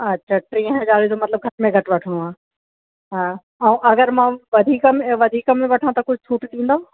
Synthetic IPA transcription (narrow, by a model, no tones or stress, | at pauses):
ɐtːɕʰaʈɾĩːɦə̃d͡ʑaːlit̪ʰomɐt̪ləb̚ɡʱɐɾmẽɡʱɐʈʋɐʈʰəɽ̃uãː | ɦaː | ɐũʔɐɡəɾmãʋɐd̪ʱiːkmeʋɐd̪ʱiːkəmẽʋɐʈʰãt̪ɐkʊd͡ʑʱʊtʰuːʈt̪ʰĩːnd̪ao